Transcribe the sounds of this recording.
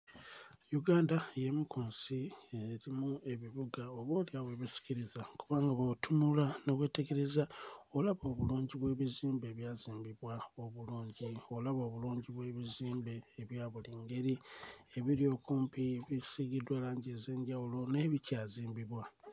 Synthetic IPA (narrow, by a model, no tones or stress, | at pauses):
juɡaːndaje̞mikʰuːnsieɾimue̞βiβuɡaoβoːljaβwe̞ːβisi̥ciɾizakuβaːŋɡaβotunulano̞βwe̞ːte̞ke̞ɾe̞zaolaβo̞ːβuluːɲɟiβwe̞ːβiziːmbe̞ːβjaːziːmbiβwao̞βuluːɲɟio̞laβo̞ːβuluːɲɟiβwe̞ːβiziːmbe̞ːβjaːβuliːŋɡe̞ɾieβiɾjo̞ːkuːmpiβisiɡidwalaːɲɟeze̞ːɲɟawulo̞ne̞ːβicaːziːmbiβwa